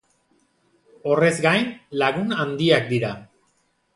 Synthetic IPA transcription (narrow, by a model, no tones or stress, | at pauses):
o̞re̞zɡajnlaɣ̞unand̪iak̚d̪iɾa